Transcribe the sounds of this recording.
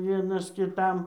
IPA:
ˈʋʲiɛnɐs kʲɪˈtɐm

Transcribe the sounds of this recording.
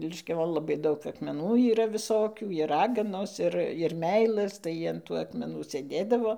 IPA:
lʲɪʃʲkʲɛˈʋoːn lˠɐˈbɐɪ ˈdɐʊk ɐkmʲɛˈnuː iːˈrɐ ʋʲɪsoːˈkʲuː ɪr ˈrɑːɡɐnoːs ˈɪr ɪr ˈmʲɛɪlˠɘs tɐɪ ɐn ˈtuː ɐkmʲɛˈnuː sʲeːˈdʲeːdɐʋoː

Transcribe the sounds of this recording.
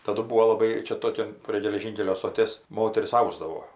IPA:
tɐˈdʊ ˈbuːoː lˠɐˈbɐɪ ˈt͡ʃʲɛ ˈtoːkʲɛn pʲrʲiɛ ɡʲɛlʲɛˈʒʲiːŋʲkʲɛlʲoː stoːˈtʲeːs ˈmoːtʲɛrʲɪs ˈɐʊzdɐʋoː

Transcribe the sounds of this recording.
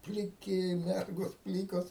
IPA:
pʲlʲɪˈkʲɪ ˈmʲɛrɡoːs ˈpʲlʲiːkoːs

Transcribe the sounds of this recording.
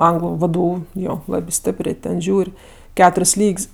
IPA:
ˈɐŋɡlˠʊ ˈʋdʊ ˈjoː ˈlˠɑːbʲɪ ˈsʲtʲeːpʲrʲeː tʲɛn ˈʒʲuːrʲ ˈkʲæːtʊrʲsʲ ˈlʲiːkʲsʲ

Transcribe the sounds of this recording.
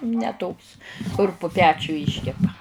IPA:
nʲɛ ˈtoːks kʊr pʊ ˈpʲæːt͡ʃʲʊ ˈiːʃʲkʲɛpɐ

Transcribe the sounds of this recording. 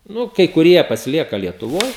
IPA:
ˈnʊ kɐɪ kʊˈrʲiɛ pɐsʲɪˈlʲiɛkɐ lʲiɛtʊˈʋoːj

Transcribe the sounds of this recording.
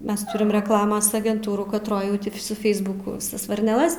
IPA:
ˈmʲɛs ˈtʊrʲɪm rʲɛkˈlˠɑːmɐs ɐɡʲɛnˈtuːruː kɐtˈroːj ˈjɛʊ ˈtʲɪ sʊ ˈfʲɛɪzbʊkʊ ʋʲɪˈsɐs ʋɐrʲnʲɛˈlˠɐs

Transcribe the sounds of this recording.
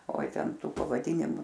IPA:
oːɪ ˈtʲɛn ˈtuː pɐʋɐˈdʲiːnʲɪmʊ

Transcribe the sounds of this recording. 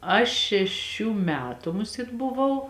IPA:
ˈɐʃ ʃʲɛˈʃʲuː ˈmʲæːtʊ ˈmʊˌsʲeːt bʊˈʋɐʊ

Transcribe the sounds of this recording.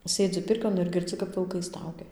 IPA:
ˈsʲeːd͡zʲɪ ˈpʲɪrʲkʲoːn ɪr ɡʲɪrʲˈd͡zʲɪ kɐp ʋʲɪlˠˈkɐɪ ˈstɐʊɡʲɛ

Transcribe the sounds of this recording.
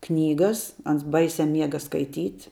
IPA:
ˈknʲiːɡɐs ˈɐns ˈbɐɪsʲɛ ˈmʲiɛɡɐ skɐɪˈtʲiːtʲ

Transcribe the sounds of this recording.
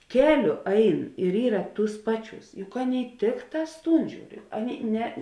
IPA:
ˈkʲæːˌlʲʊ ˈɐɪn ɪr ˈiːrɐ ˈtuːs ˈpɑːˌt͡ʃʲuːs jʊk ˈɑːˌnʲeːɪ ˈtʲɪkˌtɑːs ˈtuːn ˈʒʲuːr ˈɑːˌnʲeːɪ ˈnʲɛ

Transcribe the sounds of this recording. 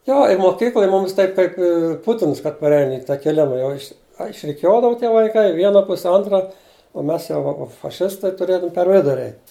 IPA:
ˈjoː ɪ moːˈkʲiːklˠoːj ˈmʊmʲɪs ˈtɐɪp kɐɪp ɪ ˈpʊtʲɪns kɐt pɐrʲˈɛɪn ɪ tɐkʲɛˈlʲʊ nʊ ˈjɛʊ ɪʃʲ ɐ ɪʃʲrʲɪˈkʲuɔdɐʋʊ tʲiɛ ʋɐɪˈkɐɪ ɪ ˈʋʲiɛnɐ ˈpʊsʲɛ ˈoːntrɐ oː ˈmʲɛs jɛʊ ˈʋɐ fɐˈʃʲɪstɐɪ tʊˈrʲeːdɐʋʊm pʲɛr ˈʋʲɪdʊrʲɪ ˈɛɪtʲ

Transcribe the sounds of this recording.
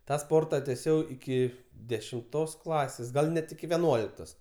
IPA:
ˈtɑː ˈspoːrtɐ tʲɛˈsʲɛʊ ɪˈkʲɪ dʲɛʃʲɪmˈtoːs ˈklˠɑːsʲeːs ˈɡɐlˠ ˈnʲɛt ɪkʲɪ ʋʲɛˈnuɔlʲɪktoːs

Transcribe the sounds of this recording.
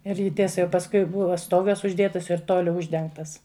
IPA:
ɪr ˈjɪ ˈtʲiɛsɐ jɛʊ pɐsˈkʊɪ ˈbʊʋɐ ˈstoːɡɐs ʊʒʲˈdʲeːtɐs ɪr ˈtoːlʲʊ ˈʊʒʲdʲɛŋktɐs

